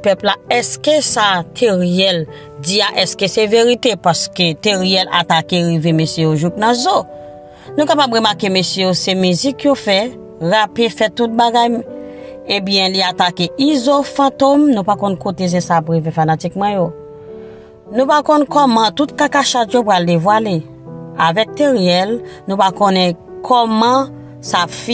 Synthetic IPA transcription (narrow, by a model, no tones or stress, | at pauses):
pɛplaɛskesat̪ʰeʁjɛl | d͡ziaʔɛskeseveɣitepaskøteʁjɛla̰takeɣivemesjejoʒupnãzo | nũkapabɣemakemesjejosemyzikjofɛ | ɣapefɛtut̚baɡaj | ebjɛ̃liatakeʔizofɑ̃tomnũpakɔ̃nkotezɛ̃sapɣivefanatik̚mɑ̃jo | nũpakɔ̃nkɔmãtut̚kakaʃatjopɣaldevwale | avɛk̚teʁjɛlnũpakõnɛ̃kʰɔmʌ̃ | safi